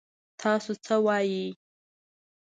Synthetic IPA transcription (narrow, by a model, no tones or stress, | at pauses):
t̪ʰɑsot͡səwɑji